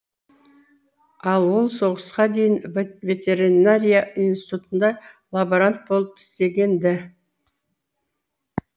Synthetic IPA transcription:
ɑlˠwo̞lˠso̞ʁəsqɑd̪e̞jɪnvʲe̞t̪ʲe̞ɾinaɾʲijainst̪i̥t̪ut̪ənd̪ɑlˠaboɾant̪̚bo̞lˠəpɪ̥st̪e̞ɡʲe̞nd̪ɪ

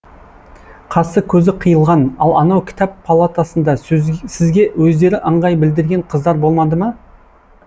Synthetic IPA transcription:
qʰɑsəkʲʰɵzɪqʰəjəlˠʁɑnɑ̰lˠɑnɑwkʲʰɪ̥t̪ɑppʰalˠat̪asənd̪ɑsɪzɡʲe̞wɵzd̪e̞ɾɪʔəɴʁɑjbɪld̪ɪɾɡʲe̞ɴqʰəzd̪ɑɾbolˠmɑd̪əmɑ

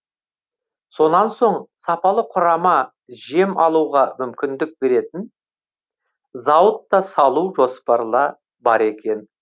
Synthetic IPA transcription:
so̞nɑnso̞ɴsɑpɑlˠəqʰʊɾɑmɑ | ʒe̞mɑlˠuwʁɑmʏmkʲɪnd̪ɪk̚be̞ɾe̞t̪ɪn | zɑwət̪ːɑsɑlˠuwʒo̞spɑɾlˠɑ | bɑɾe̞kʲe̞n

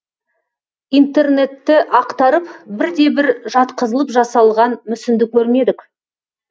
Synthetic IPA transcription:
ijnt̪e̞rne̞t̪ːɪʔɑqt̪ɑɾəpbɪɾd̪e̞bɪɾʒɑt̪qəzəlˠəpʒɑsɑlˠʁɑnmʏsɪnd̪ɪkʲʰːɵɾme̞d̪ɪk

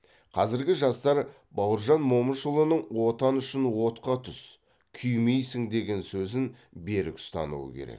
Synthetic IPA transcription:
qʰɑzɪɾɡʲɪʒɑst̪ɑɾ | bɑwəɾʒɑnmo̞məʃəlˠənəɴwo̞t̪ɑnʏʃɪnwo̞t̪qɑt̪ʰʏs | kʲʰʏjmejsɪŋd̪e̞ɡʲe̞nsɵzɪn | be̞ɾɪ̰kʏ̥st̪ɑ̰nṵwə̰kʲʰḛɾḛk

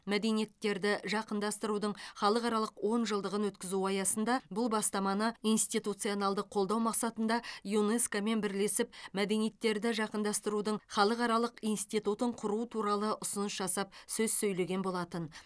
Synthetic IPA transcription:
mæd̪e̞nije̞t̪ːe̞ɾd̪ɪʒɑqənd̪ɑst̪əɾud̪əɴχɑlˠəqɑɾɑlˠəqwo̞nʒəlˠd̪əʁənwɵt̪kʲɪzuɑjɑsənd̪ɑbʊlˠbɑst̪ɑmɑnəijnst̪it̪ut̪sɨjonɑlˠd̪əqʰo̞lˠd̪ɑwmɑqsɑt̪ənd̪ɑjuneskame̞nbɪɾle̞sɪp̚mæd̪e̞nije̞t̪ːe̞ɾd̪ɪʒɑqənd̪ɑst̪əɾud̪əɴχɑlˠəqɑɾɑlˠəqijnst̪ijt̪ut̪əɴqʰʊɾuət̪ʰuɾɑlˠəʔʊsʊnəsʒɑsɑp̚sɵzsɵjle̞ɡʲe̞nbo̞lˠɑt̪ən

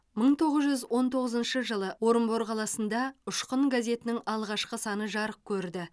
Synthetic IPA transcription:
məɴt̪ʰo̞ʁəzʒʏzwo̞nt̪ʰo̞ʁəzənʃəʒəlˠəwo̞ɾəmboɾqʰɑlˠɑsənd̪ɑʊʃqəɴɡaze̞t̪ɪnɪŋɑlˠʁɑʃqəsɑnəʒɑɾəq̚kʲʰɵɾd̪ɪ

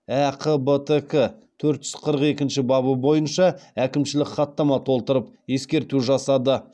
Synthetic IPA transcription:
æqʰəbət̪ekɪt̪ʰɵɾt̪ʒ̥ʏz̥qʰəɾəqe̞kʲɪnʃɪbɑβəbo̞jənʃɑækʲɪmʃɪlɪkχɑt̪ːɑmɑt̪ʰo̞lˠt̪əɾəp̚je̞skʲe̞ɾt̪uʒɑsɑd̪ə

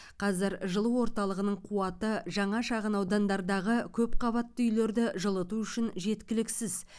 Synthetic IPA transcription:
qʰɑzɪɾʒəlˠəwo̞ɾt̪ɑlˠəʁənəɴqʰuɑt̪əʒɑɴɑʃɑʁənɑwd̪ɑnd̪ɑɾd̪ɑʁəkʲʰɵp̚qʰɑβɑt̪ːəʏjle̞ɾd̪ɪʒəlˠət̪uʏʃɪnʒe̞t̪kʲɪlɪksɪz

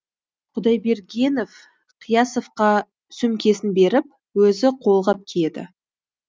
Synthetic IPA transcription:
qʰʊd̪ɑjbe̞ɾɡʲe̞no̞f | qʰijɑso̞fqɑ | sʏmkʲe̞sɪnbe̞ɾɪp̚ | wɵzɪqʰo̞lˠʁɑp̚kʲʰed̪ɪ̰

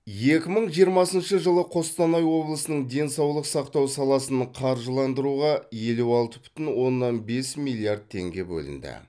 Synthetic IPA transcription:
je̞kʲɪməɴʒijəɾmɑsənʃəʒəlˠəqʰo̞st̪ɑnɑjwo̞blˠəsənəɴd̪e̞nsɑwlˠəqsɑqt̪ɑwsɑlˠɑsənəqʰɑɾʒəlˠɑnd̪əɾuʁɑje̞luɑlˠt̪əbʏ̥t̪ɪnwo̞nːɑnbe̞smilʲˠijard̪̚t̪ʰe̞̰ŋɡʲe̞bɵ̰lɪ̰nd̪ɪ̰

